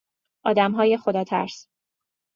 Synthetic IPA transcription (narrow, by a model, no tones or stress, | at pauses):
ʔɒːd̪æmɦɒːje̞xod̪ɒːt̪ʰæ̰ɾs